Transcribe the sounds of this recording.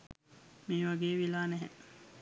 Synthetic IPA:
miːʋaɡeːʋilaːnɛɦɛ̰

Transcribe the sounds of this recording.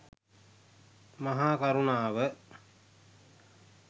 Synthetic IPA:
maɦaːkaɾunaːʋə

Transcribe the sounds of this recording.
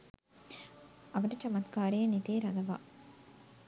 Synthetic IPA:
ɐʋɐʈɐt͡ʃɐmɐt̪kaːɾeːɐnit̪eːɾɐd̪ɐʋa̰ː

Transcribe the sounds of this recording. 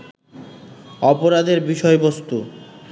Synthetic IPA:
ɔpoɾad̪eɾbiʃɔebost̪u

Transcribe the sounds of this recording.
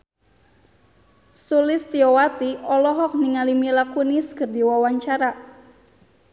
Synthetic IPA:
sulɪst̪iɔwat̪iɔlɔɦɔk̚niŋalimilakuniskərdiwawaɲt͡ʃaɾa

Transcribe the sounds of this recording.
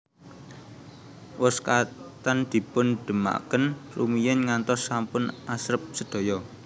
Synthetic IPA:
wʊskat̪and̪̥i̤pʊnɖ̪̥ə̤ma̰kənrumijɛnŋant̪ɔsːampʊnasɾəp̚səd̪̥o̤jɔ

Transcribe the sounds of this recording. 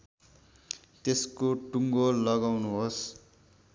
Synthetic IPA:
t̪eskoʈuŋɡolːʌɡawnuɦos

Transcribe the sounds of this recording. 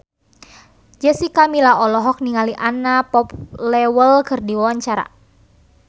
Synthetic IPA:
d͡ʒəsikamilaɔlɔɦɔk̚niŋaliʔanapɔplɛwəlkɨrdiwawaɲt͡ʃaɾa̰

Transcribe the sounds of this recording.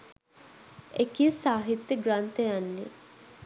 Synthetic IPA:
ekiesaːɦit̪jəɡɾant̪ejanːḛ

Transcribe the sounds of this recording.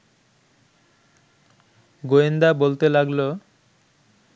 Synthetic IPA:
ɡoend̪abolt̪elaɡlo

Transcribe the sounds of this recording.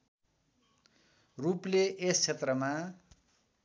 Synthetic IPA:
rupleʔest͡sʰet̪rʌma

